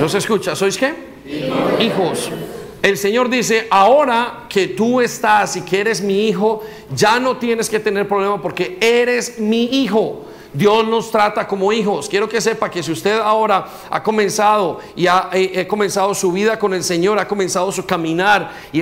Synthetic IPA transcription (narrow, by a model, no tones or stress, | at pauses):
noseskut͡ʃaso̞jske̞ | ixo̞s | e̞lse̞ɲo̞ɾd̪is̬e̞ʔao̞ɾake̞t̪ue̞st̪asikee̞ɾe̞zmiixo̞ | d͡ʒano̞t̪jene̞ske̞t̪e̞ne̞ɾpɾoβlemapo̞ɾke̞e̞ɾe̞zmiixo̞ | d̪jo̞zno̞st̪ɾat̪ako̞mo̞ixo̞skjeɾo̞ke̞se̞pake̞s̬iust̪e̞ðao̞ɾa | a̰ko̞mẽ̞nsaðo̞ | iaʔeʔeko̞mensaðo̞suβiðako̞ne̞lse̞ɲo̞ɾako̞mẽ̞nsaðo̞sukamĩnaɾ | i